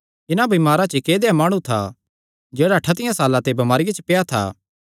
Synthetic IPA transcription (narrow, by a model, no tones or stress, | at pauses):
ɪnãbimaːɾat͡ʃːkeːd̪eamaːɽ̃ũt̪ʰa̰ | d͡ʒeːɽaʈʰat̪ɪjãsaːlãt̪ebɐmaːɾɪjat͡ʃəpejat̪ʰa̰ː